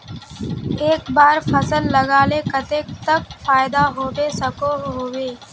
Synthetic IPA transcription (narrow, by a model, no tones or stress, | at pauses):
eːkbaːɾfʰəsəlːəɡaːlekət̪eːk̚t̪əkfaːjɪd̪aɦoːbesəkoɦoːʋeː